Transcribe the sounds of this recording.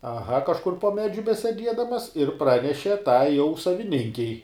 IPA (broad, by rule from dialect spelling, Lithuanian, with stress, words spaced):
ɐˈɣɐ kɐʃˈkʊr poː ˈmʲæːd͡ʒʲʊ bʲɛsʲɛˈdʲiɛdɐmɐs ɪr ˈprɑːnʲɛʃʲɛ ˈtɐɪ jɛʊ sɐʋʲɪˈnʲɪŋʲkʲɛɪ